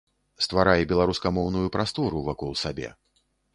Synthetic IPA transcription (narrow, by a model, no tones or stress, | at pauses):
st̪vaɾajɛbʲɛlˠaɾuskɐmɔwnujupɾast̪ɔɾuvakɔlˠsabʲɛ̰